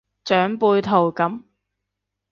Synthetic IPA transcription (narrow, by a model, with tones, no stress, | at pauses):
t͡ʃœː˨˥ŋpuː˧jt̪ʰo˨˩wkɐ˨˥m